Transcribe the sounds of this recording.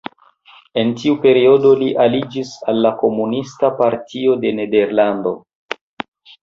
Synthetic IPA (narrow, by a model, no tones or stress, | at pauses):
e̞ntiupe̞ɾio̞do̞liʔalid͡ʒisalːako̞munistapaɾtʰio̞de̞ne̞de̞ɾlando̞̰